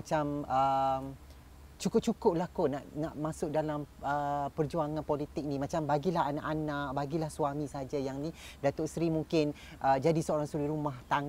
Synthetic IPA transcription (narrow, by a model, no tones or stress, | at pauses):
at͡ʃaməm | t͡ʃukʊp̚t͡ʃukʊp̚lahkonaʔnaʔmasʊk̚dalaməpərd͡ʒuaŋãnpolit̪ɪk̚nimat͡ʃambaɡilaɦana̰ʔanaʔ̚baɡilahswamisəɦad͡ʒajaŋnidat̪oʔsɾimuŋkɪn | ʔəd͡ʒadisəoɾaŋsuɾiɾumaht̪aŋ